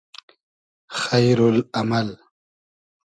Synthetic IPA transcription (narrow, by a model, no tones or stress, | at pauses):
xajɾʊlamal